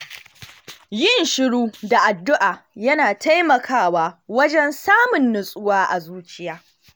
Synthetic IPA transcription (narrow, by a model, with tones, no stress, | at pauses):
jɪ˦˨nʃɪ˦ɽuː˦da˨ʔa˨dːʊ˦ʔaː˨jɐ˦naː˨tʰa˦jmɐ˨kʰaː˦waː˦wɐ˦d͡ʒɛ˦nsaː˦mʊ˨nːʊ˨sʼʊ˦waː˦ʔa˨zuː˦t͡ʃʼɪ˦jaː˦